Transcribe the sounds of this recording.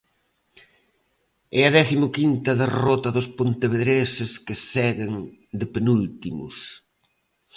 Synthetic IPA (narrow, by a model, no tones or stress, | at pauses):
ɛɐðɛθimʊkint̪ɐðerɔt̪ɐðʊspont̪eβeðɾesɪskɪsɛɣeŋd̪ɪpenult̪imʊ̰s